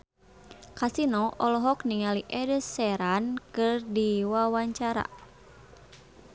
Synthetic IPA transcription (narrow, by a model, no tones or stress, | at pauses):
kasinɔʔɔlɔɦɔkniŋaliʔɛdəsɛɾankɨrdiwawaɲt͡ʃaɾa̰